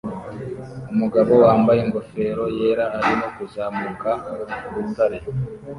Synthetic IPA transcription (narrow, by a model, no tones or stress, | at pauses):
umuɡaβo̞waːmbajeŋɡo̞fe̞ːɾo̞je̞ːɾaːɾimo̞kuzaːmukaβutaɾe